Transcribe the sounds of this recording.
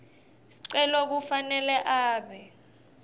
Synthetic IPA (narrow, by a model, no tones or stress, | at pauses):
si̥ǀɛlɔk̬ufanɛlɛʔaːɓɛ